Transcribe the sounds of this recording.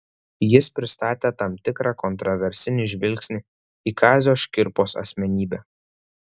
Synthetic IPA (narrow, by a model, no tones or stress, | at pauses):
jɪspʲɾʲɪst̪ɑːt̪ʲeːt̪ɐmt̪ʲɪkɾɑːkɔnt̪ɾɔʋʲɛɾʲsʲɪnʲɪʒʲʋʲɪlʲkʲsʲnʲɪ | iːkɑːzʲoːʃʲkʲɪɾpoːsɐ̰sʲmʲɛnʲiːbʲɛ